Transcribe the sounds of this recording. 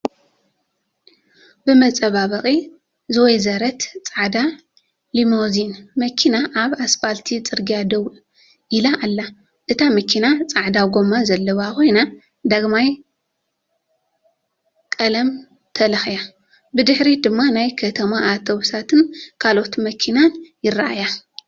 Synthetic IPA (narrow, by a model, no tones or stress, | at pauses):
bɨmɐt͡sʼɐβaβɐχʼi | zɨwɔjzɐɾɐt̪t͡sʼaʕd̪a | limo̞zinmɐkʰinaʔaβasfalt̪ʰit͡sʼɨɾɡijad̪ɐwʔ | ʔilaʔːlːa | ʔɨt̪ʰamɐkʰinat͡sʼaʕd̪awɡo̞mazɐlːɐβakʰo̞jna | d̪aɡmaj | kʼɐlɐm | t̪ʰɐlɐxja | bɨd̪ɨħɾid̪ɨmːanajkʰɐt̪ʰɐmaʔːt̪ʰo̞βsʰat̪ʰɨnkʰalo̞t̪mɐkʰinanjɪraʔa̰ja